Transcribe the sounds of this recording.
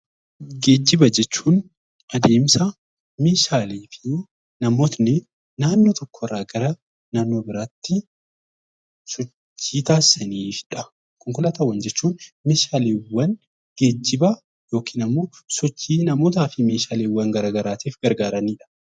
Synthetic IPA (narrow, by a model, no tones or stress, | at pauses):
ɡe̞ːd͡ʒːɪbɐd͡ʒɛt͡ʃːuːn | ʔɐd̪e̞ːmsɐ | meːʃaːleːfɪ | nɐmoːt̪nɪ | naːnːot̪ɔkːɔɪrːaːɡɐɾɐ | naːnːo̞ːbɪɾaːt̪ːɪ | sɔt͡ʃt͡ʃːiːt̪aːsɐniːfᶑɐ | kʊŋkʊlɐt̪ɐwːɐnd͡ʒɛt͡ʃːuːnmeːʃaːleːwːɐn | ɡ̥e̞ːd͡ʒːɪbɐ | jo̞ːkʰiːnɐmːo̞ːsɔt͡ʃːiːnɐmoːt̪aːfɪmeːʃaːleːwːɐŋɡɐɾaːɡɐɾaːt̪eːfɡɐɾɡaːɾɐniːᶑɐ̥